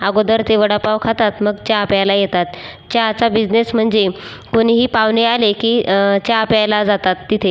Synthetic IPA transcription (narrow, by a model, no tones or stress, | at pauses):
aɡod̪əɾt̪eʋəɽapaʋkʰat̪at̪məɡt͡ɕjapjajlajet̪at̪ | t͡ɕjat͡sabid͡znesm̤əɳd͡ze | koniɦiːpaʋnealekiːt͡ɕjapjajlad͡zat̪at̪ːit̪ʰe